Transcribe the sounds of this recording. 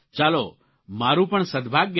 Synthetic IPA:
t͡ʃaːlo̰ | maɾũpəɳsəd̪ʱbʱaɡjə

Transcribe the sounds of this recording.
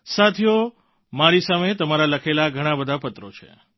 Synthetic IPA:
sat̪ʰjo | maɾisamet̪əmaɾaləkʰelaɡʱəɽ̃ãbəd̪ʱapət̪ɾot͡ʃʰḛ

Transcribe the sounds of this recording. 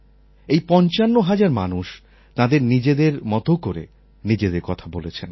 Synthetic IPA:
ejpɔnt͡ɕanːoɦad͡ʑaɾmanuʃ | t̪ãd̪eɾnid͡ʑed̪eɾmɔt̪okoɾḛ | nid͡ʑed̪eɾkɔt̪ʰabolet͡ɕʰen

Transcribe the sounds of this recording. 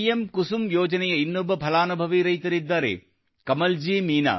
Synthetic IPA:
jemkusumjoːd͡ʒɐnɛjɐinːubːɐpʰɐlaːnubʱɐʋiɾɐjt̪ɐɾid̪ːaːɾḛ | kɐmɐld͡ʒiːmiːna̰ː

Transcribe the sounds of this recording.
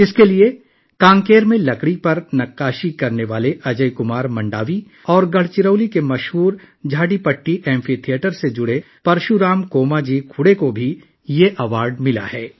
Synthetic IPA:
ɪskelie | kãːŋkeːɾmẽlɐkɽipɐɾnɐkːaːʃikɐɾneʋaːleʔɐd͡ʒəikʊmaːɾmɐ̃ɳɖa̰ːʋi | ɔːɾɡɐɽ̤t͡ʃɪɾəʊlikemɐʃɦuːɾd͡ʒʱaːɖipɐʈːiʔɛ̃ːmfʰit̪ʰijeːʈəɾsed͡ʒʊɽe | pɐɾʃuɾaːmkoːmad͡ʒiːkʰʊɽekobʱi | jeʔɐʋaːɾɖmɪla̰hɛː

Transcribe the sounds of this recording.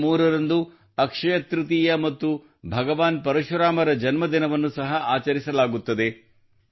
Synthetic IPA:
uːɾɐɾɐnd̪u | ɐkʂɐjɐt̪ɾut̪ijɐmɐt̪ːu | bʱɐɡɐʋaːnpɐɾɐʃɐɾaːmɐɾɐd͡ʒɐnmɐd̪inɐʋɐnːusɐɦɐʔaːt͡ʃɐɾisɐlaːɡut̪ːɐd̪e̞

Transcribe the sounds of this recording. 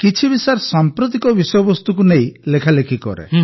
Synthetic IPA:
kit͡ʃʰibisaɾsampɾut̪̬ikɔbisɔjɔbɔst̪ukunejlekʰalekʰikɔ̰ɾḛ

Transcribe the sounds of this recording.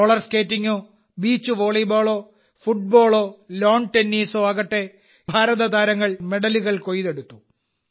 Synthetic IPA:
oɭɐrske̞ːtːiŋːo̞ː | biːt͡ɕːuʋoːɭijboːɭo̞ː | fuʈ̚bo̞ːɭo̞ːlo̞ːɳʈenːiːsoːɐɣɐʈːe̞ | bʱaːɾɐðɐd̪aːɾɐŋːɐɭme̞ɽɐluɣɐɭko̞jðe̞ɽut̪ːu̥

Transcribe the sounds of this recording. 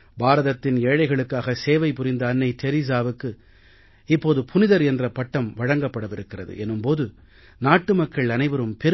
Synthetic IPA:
baːɾɐðɐt̪ːɪneːɻɐɪɣɐɭɯkːaːɣɐseːʋɐɪpʊɾɪnd̪ɐːnːɐɪt̪ɛɾis̬aːʋɯkːɯ | ɪpːoːðɯpʰʊnɪðɐɾɛndrɐpɐʈːɐmʋɐɻɐŋɡɐpːɐɽɐʋɪɾɯkːɪrɐðɯ̰ʔɛnːɯmpoːðɯ | naːʈːɯmɐkːɐɭɐnɐɪʋɐɾɯmpɛɾ

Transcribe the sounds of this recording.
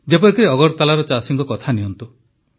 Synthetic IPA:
d͡ʒepɔɾikɔɾeɔɡɔɾt̪alaɾɔt͡ʃasiŋkɔkɔt̪ʰaniɦɔnt̪u

